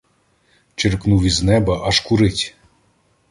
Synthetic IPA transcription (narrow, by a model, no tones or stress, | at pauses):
t͡ɕɘrknuviznɛbɐʔɑʃkuɾɘtʲ